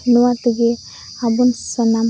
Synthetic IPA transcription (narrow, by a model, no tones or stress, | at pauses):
nuwat̪uɡe | abunsɔnam